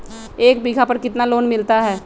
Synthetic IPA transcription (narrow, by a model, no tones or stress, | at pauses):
eːk̚biɡʱapɐɾkɪt̪naloːnmɪlt̪aɦɛː